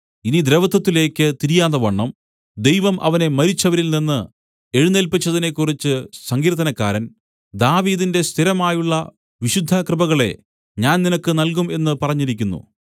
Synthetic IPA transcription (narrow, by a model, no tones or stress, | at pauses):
inid̪ɾeʋɐt̪ːɐt̪ːile̞ːkʲːɨt̪iɾijaːðɐʋɐɳːɐm | d̪e̞jʋɐmʔɐ̰ʋɐne̞mɐɾit͡ɕːɐʋɐɾilninːɨ | e̞ɻunelpit͡ɕːɐðine̞kːurit͡ɕːɨsɐŋɡiːɾt̪ːɐnɐkːaːɾɐn | d̪aːʋiːðinde̞st̪ʰiɾɐmaːjuɭːɐ | ʋiɕud̪ʱːɐkrɨbɐɣɐɭe̞̰ | ɲaːnninɐkːɨnɐlk̬ume̞nːɨpɐrɐɲːiɾikʲːunːṵ